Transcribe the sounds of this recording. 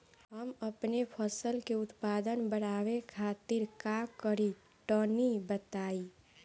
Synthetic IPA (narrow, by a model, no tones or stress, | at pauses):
ɦəməpnepʰəsəlkeut̪pad̪ənbəɽaʋekʰat̪iɾkakəɾi | ʈənibət̪ai